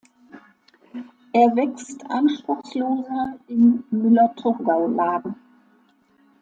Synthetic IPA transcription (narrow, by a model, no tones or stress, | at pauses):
ʔeːɐvɛkstʰʔanʃpʁ̥ʊxsloːzɐɪmːʏlɐtʰʊʁɡaʊlaːdn̩